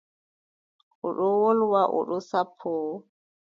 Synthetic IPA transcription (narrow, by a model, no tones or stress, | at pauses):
ʔɔɗɔwɔlwaʔɔ̰ɗɔsapʰːɔː